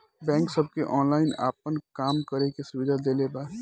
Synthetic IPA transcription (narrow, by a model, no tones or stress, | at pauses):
bɛ̃ːŋksəb̚keʔɔːnlaːɪna̰ːp̚ənkaːmkəɾekesʊʋɪd̪ʱad̪eːlebaː